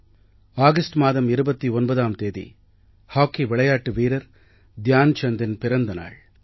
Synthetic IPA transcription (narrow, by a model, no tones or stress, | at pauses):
aːɣɐsʈmaːðɐmɪɾɯbɐt̪ːiɔnbɐðaːmt̪eːðḭ | haːkːiʋɪɭɐjaːʈːɯʋiːɾɐɾ | d̪jaːnt͡ʃɐnd̪ɪnpɪɾɐnd̪ɐna̰ːɭ